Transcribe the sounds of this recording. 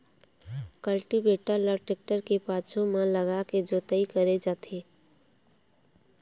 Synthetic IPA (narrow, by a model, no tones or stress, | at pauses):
kəlʈibeːʈələɾʈek̚ʈəɾkepaːt͡ʃʰõmãləɡaked͡ʒoːt̪əikəɾed͡ʒaːt̪ʰeː